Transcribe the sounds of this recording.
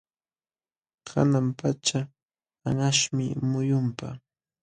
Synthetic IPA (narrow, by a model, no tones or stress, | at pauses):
kʰa̰nampat͡ʃa | anaʃmɪ̰mʊjʊmpa̰